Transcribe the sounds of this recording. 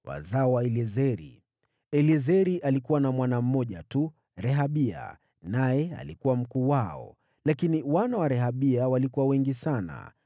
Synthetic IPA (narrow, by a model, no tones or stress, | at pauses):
wa̰zaɔwaɛliɛzɛɾḭ | ɛliɛzɛɾiʔalikuwanamwanam̩mɔʄatu | ɾɛɦaɓia̰ | najɛa̰likuwam̩kuːwaɔ̰ | lakiniwanawaɾɛɦaɓiawalikuwawɛŋɡisana̰